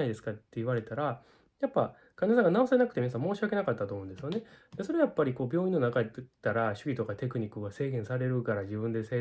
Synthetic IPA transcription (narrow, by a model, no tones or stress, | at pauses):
aid̪esɨ̥kat̪ːe̞iβaɾe̞t̪aɾa | japːa | kanes̬ãŋɡanao̞senakɯ̥t̪eminas̬ãmo̞ːɕiake̞nakat̪ːat̪o̞ːmõnd̪sɨjo̞ne̞d̪̥eso̞ɾe̞ajapːaɾʲiko̞ːbʲjo̞ːĩnːo̞nakat̪aɾaɕɨ̥ɡʲit̪okat̪e̞kɯ̟ɲ̟ikːɯɡase̞ːɡẽ̞ɰ̃saɾe̞ɾɯ̟kaɾad͡ʑibɯ̟̃nd̪e̞seː